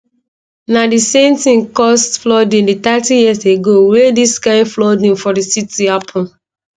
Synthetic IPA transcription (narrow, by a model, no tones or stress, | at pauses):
nadisẽmtĩmkɔstflɔdĩnditatijiseɡowediskãɪ̃nflɔdĩnfɔdisitiapʰɔ̃n